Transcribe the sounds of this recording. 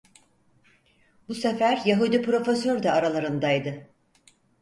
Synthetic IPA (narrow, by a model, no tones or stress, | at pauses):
busefæɾjaɦud̪ipɾo̞fesøɾd̪ɛaɾalˠaɾɯnd̪ajd̪ɯ